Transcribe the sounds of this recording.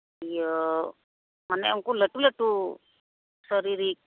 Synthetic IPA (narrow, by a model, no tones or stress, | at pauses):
ijə | manɛjaŋkuleʈuleʈu | səɾiɾik̚